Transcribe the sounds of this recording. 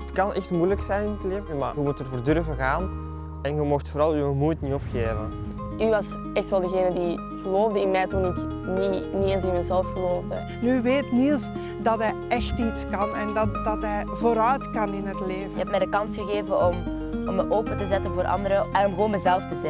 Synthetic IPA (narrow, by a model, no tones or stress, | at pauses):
ətkɑnɛxtmujləksɛjnɪnətleːvəəma̰ɣəmutərvərdɵrvəɣaːn | ɛnɣəmoxtfoːɾɑlˠywəmujtniɔpxeːvə̰n | yʋɑs | ɛxtʋɛlˠdəɣeːnədi | ɣəloːvdəɪnmɛjtunɪk | ninieːnsɪnmɛzɛlfɣəloːvdə | nyʋeːtnilˠs | dɑtɛj | ɛxtitskɑnɛndɑd̥ɑtɦɛjvoːɾœɥtkɑnɪnɦətleːvəjəɛp̚mɛjdəkɑnsxəɣeːvənɔm | ɔməʔoːpəntəzɛtənvoːɾʔɑ̰ndəɾəɛnɔmɣəwoːnmɛzɛlftəzɛ